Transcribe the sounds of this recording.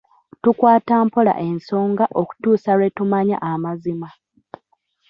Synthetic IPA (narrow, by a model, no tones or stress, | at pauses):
tukwaːtaːmpola̰ʔe̞nso̞ːŋɡaʔo̞ku̥tuːsalwe̞tumaɲa̰ʔamazima